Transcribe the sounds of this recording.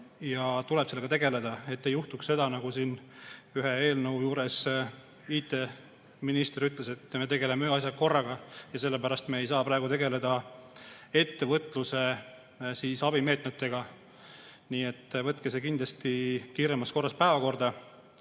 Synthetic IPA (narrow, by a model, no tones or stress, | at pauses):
jɑt̪ulebselːɡ̥ɑt̪e̞ɡe̞le̞d̪ɑe̞t̪ːejuht̪uksse̞d̪ɑnɑɡusiːnyɦee̞ːlnɤwjuːɾe̞s | iːt̪ːe̞ | minist̪eɾyt̪le̞se̞t̪ːme̞t̪e̞ɡe̞lemeyɑs̬ʲjɑko̞rːɑɡ̥ɑjɑse̞lːe̞pæɾɑst̪me̞ejsɑːpɾɑˑe̞ɡut̪e̞ɡe̞le̞d̪̥ɑ | e̞t̪ːe̞vɤt̪ːˑluse̞ | siːsɑbime̞ːt̪met̪ːe̞ɡ̥ɑ | niːe̞t̪ːvɤt̪ːˑkese̞kind̪lɑst̪ikiːɾemɑsko̞rːɑspæevɑko̞rd̪ɑ